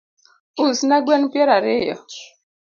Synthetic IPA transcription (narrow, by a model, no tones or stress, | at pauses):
usnaɡwɛnpɛɾaɾɪjɔ̰